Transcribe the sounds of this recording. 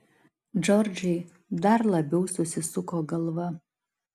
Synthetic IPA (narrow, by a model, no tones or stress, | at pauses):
d͡ʒɔɾʲd͡ʒʲɛɪ | d̪ɐɾlˠɐbʲɛʊsʊsʲɪsʊkoːɡɐlˠʋɐ